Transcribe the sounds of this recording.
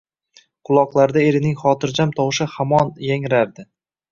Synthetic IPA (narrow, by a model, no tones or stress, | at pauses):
qʰʊlˠɒqlˠaɾd̪ae̞ɾɪnɪŋχɒːt̪ʰɪɾd͡ʒamt̪ʰɒwʃɪhamɒnjaŋɾaɾd̪ɪ